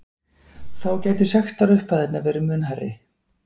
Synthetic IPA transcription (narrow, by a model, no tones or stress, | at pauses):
θawcaːjt̪ʏsɛxt̪aɾʏhpaðɛt̪navɛːɾʏmʏːnɦarːɪ̰